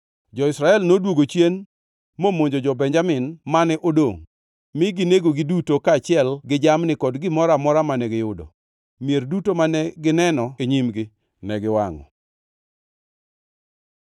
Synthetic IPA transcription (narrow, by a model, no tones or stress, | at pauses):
d͡ʒɔɪsɾaɛlnodwoɡot͡ʃjen | momoɲd͡ʒod͡ʒɔbɛɲd͡ʒamɪnmanɛʔodoŋ | mɪɡɪneɡoɡɪdutokaːt͡ʃɪɛlɡɪd͡ʒamnɪkɔdɡɪmɔɾamɔɾamanɛɡɪjʊdɔ̰ | mjerdutomanɛɡɪnɛnɔeɲimɡɪ | nɛɡɪwaŋɔ̰